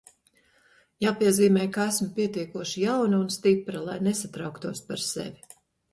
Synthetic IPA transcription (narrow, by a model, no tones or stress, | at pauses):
jaːpiɛziːmɛːjkaæsmpʲiɛt̪iɛkuɔʃijawnaunst̪ipɾalˠajnesat̪ɾawkt̪uɔspaɾsḛvʲi